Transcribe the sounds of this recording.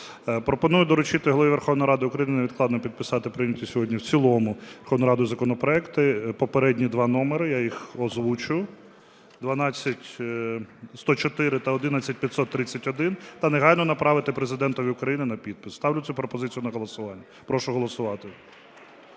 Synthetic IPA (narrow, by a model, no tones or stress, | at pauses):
pɾɔpɔnujʊd̪ɔɾʊt͡ʃit̪ɪɦɔlˠɔʋiʋerxɔwnɔjiɾɑd̪ɪʊkɾɐjinɪneʋʲid̪̚k̪lˠɑd̪nɔpʲid̪̚pɪsɑt̪ɪpɾɪnʲɐtʲisʲɔɦɔdʲnʲiwt͡sʲilˠɔmʊʋerxɔwnjɾɑd̪ʊjzɐkɔnɔpɾɔɛkt̪ɪpɔpeɾɛdʲnʲid̪ʋɑnɔmeɾɪjajixɔzʋut͡ʃʊjʊ | d̪ʋɐnɑt͡sʲːɐtʲ | st̪ɔt͡ʃɔt̪ɪɾɪt̪ɐɔd̪ɪnat͡sʲːɐt̚ʲpʲjɐt̪sɔt̪ːɾɪt͡sʲːɐtʲɔd̪ɪnt̪ɐneɦɑlʲnɔnɐpɾɑʋɪt̪ɪpɾezɪd̪ɛnt̪ɔʋʲiʊkɾɐjinɪnɐpʲid̪̚pɪ̥st̪ɑʋlʲʊt̪supɾɔpɔzɪt͡sʲijʊnɐɦɔlˠɔsʊʋɑnʲːɐ | pɾɔʃʊɦɔlˠɔsʊʋɑt̪ɪ